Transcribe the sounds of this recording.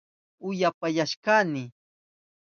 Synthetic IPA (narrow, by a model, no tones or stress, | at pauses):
ʊjapajaʃkanɪ